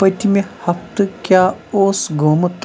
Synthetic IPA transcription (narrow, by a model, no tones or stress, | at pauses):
pɐjt̪imehɐft̪ɨkʲjaːoːsɡʱoːmɐt̪